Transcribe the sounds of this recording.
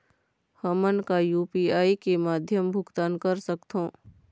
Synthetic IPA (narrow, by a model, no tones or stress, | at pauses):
həmənkajuːpiːaːikemaːd̪ʱjəmbʱʊɡt̪aːnkɐɾsəkt̪ɦõː